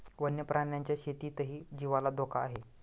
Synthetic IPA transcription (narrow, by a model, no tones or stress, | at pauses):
ʋənjəpɾʔaɳjaɲt͡ɕjaɕet̪iːt̪əɦiːd͡ʑiʋalad̪ʱokʰaːɦe